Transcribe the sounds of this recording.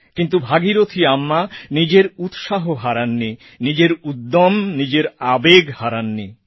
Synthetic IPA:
kint̪̬ubʱaɡiɾot̪ʰiamːanid͡ʑeɾut̪ʃaɦoɦaɾanːi | nid͡ʑeɾud̪ːomnid͡ʑeɾabeɡhaɾanːi

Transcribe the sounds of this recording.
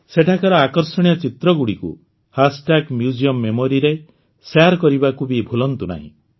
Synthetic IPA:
seʈʰakɔɾɔakɔɾsɔɽ̃ijɔt͡ʃit̪ɾɔɡuɽikṵ | hasʈakmjud͡ʒiɔmːemoɾiɾe | saɾkɔɾibakubibʱulɔnt̪una̰ɦḭ̃

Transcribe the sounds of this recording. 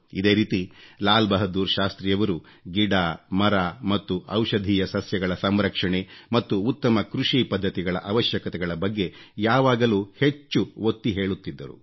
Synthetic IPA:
id̪e̞ːɾiːt̪ilaːlbɐɦɐd̪uːɾʃaːst̪ɾijɐʋɐɾu | ɡiɽaːmɐɾamɐt̪ːuɐwʂɐd̪ʱiːjɐsɐsjɐɡɐɭɐsɐmɾɐkʂɐɳemɐt̪ːuːt̪ːɐmɐkɾuʂipɐd̪ʱːɐt̪iɡɐɭɐ̰ʔɐʋɐʃjɐkɐt̪ɛɡɐɭɐbɐɡːe̞jaːʋaːɡɐluːhe̞t͡ʃːuot̪ːiɦe̞ːɭut̪ːid̪ːɐɾṵ

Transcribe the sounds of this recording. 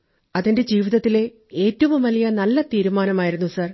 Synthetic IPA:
ɐðinde̞d͡ʑiːʋiðɐt̪ːile̞ | eːtːɐʋumʋɐlijɐnɐlːɐt̪iːɾumaːnɐmaːjiɾunːusɐr

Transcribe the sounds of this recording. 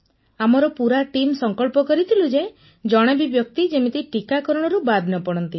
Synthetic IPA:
amɔɾɔpuɾaʈimsɔŋkɔɭpɔkɔɾit̪ʰilud͡ʒe | d͡ʒɔɽ̃ɔbibjɔk̚t̪id͡ʒemit̪iʈikakɔɾɔɽ̃ɔɾubad̪ʱnɔpɔɽ̃ɔnt̪i

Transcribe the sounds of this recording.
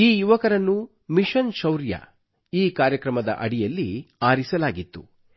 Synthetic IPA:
iːjuʋɐkɐɾɐnːu | miʃɐnʃɐwɾjɐ̰ | iːkaːɾjɐkɾɐmɐd̪ɐ̰ʔɐɽijɐlːiaːɾisɐlaːɡit̪ːu

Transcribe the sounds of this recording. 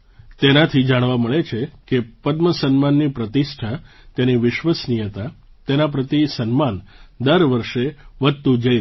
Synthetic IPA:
t̪enat̪ʰid͡ʒaɽ̃ʋaməɭet͡ʃʰekepəd̪məsənmanːipɾət̪iʃʈʰa | t̪eniʋɪʃʋəsnijət̪a | t̪enap̬ɾət̪isənmand̪əɾʋəɾʃeʋət̪ud͡ʒəj

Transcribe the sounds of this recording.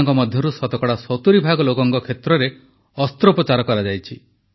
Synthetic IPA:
ŋkɔmɔd̪ʱjɔɾusɔt̪ɔkɔɽasɔt̪uɾibʱaɡɔlokɔŋkɔkʰet̪ɾɔɾe | ɔst̪ɾɔpɾɔt͡ʃaɾɔkɔɾad͡ʒajt͡ʃʰi

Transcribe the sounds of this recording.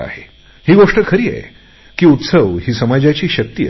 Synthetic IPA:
a̰he | hiːɡoʂʈəkʰəɾiːa̰ḛ | kiːut̪səʋhiːsəmad͡ʑjat͡ɕiːɕək̚t̪iː

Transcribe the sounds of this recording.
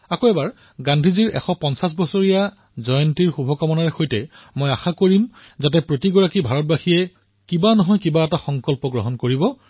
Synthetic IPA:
akoɛbaɹ | ɡandʱiziɹɛ̰xɔpɔnsas̬bɔsoɹija | zɔjɔntiɹxubʱɔkamɔnaɹɛxojtɛ | mojaxakoɹim | zat̬ɛpɹotiɡɔɹakibʱaɹɔt̚baxijɛ | kibanɔɦɔjkibaɛtaxɔŋkɔlpɔɡɹɔɦɔnkoɹibɔ

